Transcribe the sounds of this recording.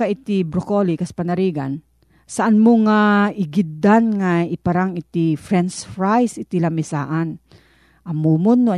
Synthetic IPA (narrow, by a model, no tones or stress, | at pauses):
aʔɪt̪ɪbɾokolikaspanaɾiːɡa̰n | saʔanmoŋaɪɡɪd̪anŋaɪpaɾaŋɪt̪ɪfɾɛnsfɾajsɪt̪ɪlamɪsa̰ːʔan | ʔɐmumonːoa